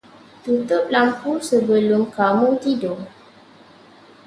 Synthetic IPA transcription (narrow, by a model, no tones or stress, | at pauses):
t̪ut̪ʊp̚lampusəbəlʊmkamũt̪ido